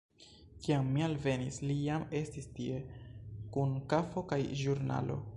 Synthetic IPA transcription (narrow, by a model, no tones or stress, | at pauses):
kiamːialve̞nislijame̞stistie̞kunkafo̞kajʒuɾna̰lo̞̰